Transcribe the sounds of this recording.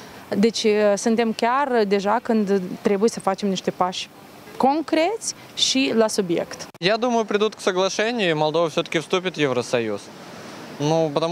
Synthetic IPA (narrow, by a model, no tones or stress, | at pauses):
d̪et͡ʃsɨnt̪e̞mkʲard̪e̞ʒakɨnd̪t̪ːɾʲe̞buje̞səfat͡ʃe̞mniʃt̪e̞paʃʲ | ko̞ŋkɾʲe̞t̪sʲ | ʃilasubje̞̰kt̪jad̪uməjʊpɾʲɪd̪ut̪̚ksəɡlˠɐʂɛnʲɪjɪmɐlˠd̪o̞vəfsʲot̪ə̥kʲɪfst̪upʲɪt̪jevɾəsɐjus | nupət̪ɐ